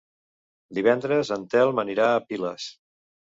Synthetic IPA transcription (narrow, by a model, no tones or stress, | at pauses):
d̪iβ̞ɛnd̪ɾəzənt̪ɛlˠməniɾaəpiləs